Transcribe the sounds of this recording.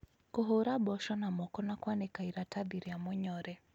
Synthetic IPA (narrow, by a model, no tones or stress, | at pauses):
koɦoɾabɔʃɔnamɔkɔnakwanɛkaiɾataðiɾiamɔɲɔɾɛ